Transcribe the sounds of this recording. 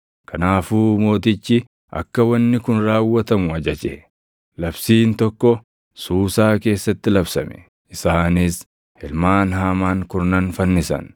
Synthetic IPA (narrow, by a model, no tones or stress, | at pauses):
kʰɐnaːfuːmo̞ːt̪ɪt͡ʃːɪ | ʔɐ̰kːɐwɐnːɪkʊnɾaːwːɐt̪ɐmʊɐd͡ʒɐd͡ʒeː | lɐbsiːnt̪ɔkːɔ | suːsaːke̞ːsːɐt̪ːɪlɐbsɐmɛ̥̰ | ʔɪsaːnɪs | hɪlmaːnɦaːmaːŋkʊɾnɐnfɐnːɪsɐ̰n